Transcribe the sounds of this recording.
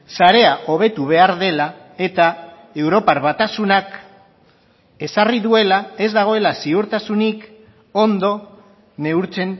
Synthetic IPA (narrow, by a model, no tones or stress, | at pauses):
saɾe̞aʔo̞β̞e̞t̪uβ̞e̞aɾðe̞la | e̞t̪a | e̞wɾo̞paɾβat̪asunak | e̞sariðue̞lae̞zd̪aɣ̞o̞e̞lasiuɾt̪asunik | o̞nd̪o̞ | ne̞uɾt͡se̞n